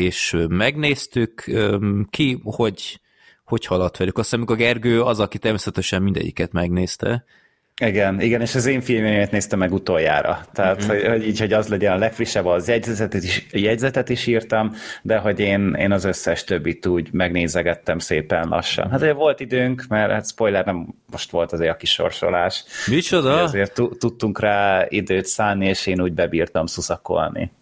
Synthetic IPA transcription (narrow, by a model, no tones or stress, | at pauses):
eːʃmɛɡneːst̪ykømkiho̞ɟ | ho̞chɒlot̪ʋɛlykɒsaːnɒmikorɡɛrɡøːɒzɒkit̪ɛrmeːsɛt̪ɛʃɛmmind̪ɛ̰ɟːḭkɛt̪mɛɡneːst̪ɛ̰ | iɡɛniɡɛneːʃɒzeːɱfilmemet̪neːst̪ɛmːɛɡut̪o̞jːa̰ːɾɒ̰t̪ɛɦat̪hohoɟiːcho̞ɟɒzlɛɟɛnɒlɛkfriʃːɛbɒzjɛɟzɛt̪ɛt̪ijɛɟzɛt̪ɛt̪iʃiːrt̪ɒmd̪ɛɦo̞ɟeːnḛːnɒzøsːɛʃt̪ø̞bːit̪uːɟmɛɡneːzɛɡɛt̪ːɛmseːpɛnlɒ̰ʃːɒ̰nɦat̪oɛvo̞lt̪id̪øːŋkmɛɾha̰t̪spo̞jlɛrnɛmː | o̞ʃt̪ʋo̞lt̪ɒzeːɾɒkiʃo̞̰rʃo̞̰laːʃmit͡ʃod̪ɒzeːrt̪ːuːut̪ːuŋkraːid̪øːt̪saːlnieːʃeːnuːɟbɛbiːrt̪ɒmsusɒko̞̰lnḭ